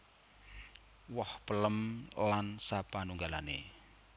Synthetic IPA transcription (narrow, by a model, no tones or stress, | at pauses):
wɔhpələmlansapanuŋɡalanḛ